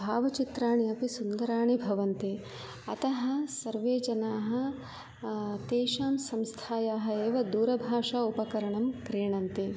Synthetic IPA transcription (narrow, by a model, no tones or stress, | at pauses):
bʱaːʋɐt͡ʃit̪ɾaːɳiɐpisund̪ɐɾaːɳibʱɐʋɐnt̪e | ɐt̪ɐɦɐ̆sɐɾʋeːd͡ʒɐnaːɦɐ̆ | t̪eːʂaːmsɐmst̪ʰaːjaːɦɐ̆eːʋɐd̪uːɾɐbʱaːʂaːupɐkɐɾɐɳɐmkɾiːɳɐnt̪i